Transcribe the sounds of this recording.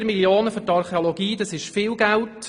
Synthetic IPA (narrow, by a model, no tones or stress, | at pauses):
ɾmiljoːnəfɔɾtɑɾχeolɔɡiːdɑsɪʃfɪːlɡælt